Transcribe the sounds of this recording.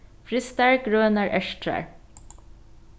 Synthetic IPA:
fɾɪst̪æɹkɾøːənæːɹʔɛʃʈʰɾæ̰ɹ

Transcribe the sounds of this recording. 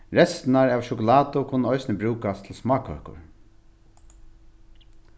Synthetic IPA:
ɾɛst̪naɹaːʋʃʊkʊlaːt̪ʊkʰʊnːəɔʏsnəbɾʉːkast̪ʰlsmɑːkœ̰hkʊ̰ɹ

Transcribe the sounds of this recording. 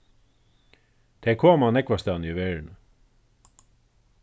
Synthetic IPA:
d̪̥ʰekʰoːmɑːnɛkʋɑst̪ɑniːʋeːɹɳ

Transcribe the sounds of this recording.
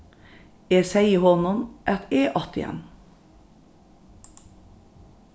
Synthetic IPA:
eːsæɪəhɔnʊnʔɛt̪eːʔɑt̪ɪ̰jɛ̰n

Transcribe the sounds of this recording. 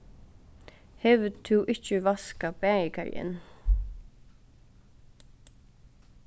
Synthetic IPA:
hɛvt̪ʰuʔɪht͡ʃəvaskabɛːɪka̰ɹ̰ɪ̰n

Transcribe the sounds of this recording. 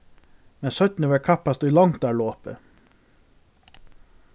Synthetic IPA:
mɛnsœt̪nəʋɛːɹkʰapast̪ʊjlɔŋt̪ɑːɭoːpə̰

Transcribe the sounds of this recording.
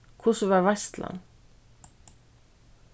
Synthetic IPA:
kʰʊsəʋɑːɾʋæst̪ʰlɑ̰n

